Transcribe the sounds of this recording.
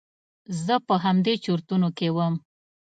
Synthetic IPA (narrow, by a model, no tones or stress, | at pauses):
zəpəɦamd̪et͡ʃoɾt̪unokewəm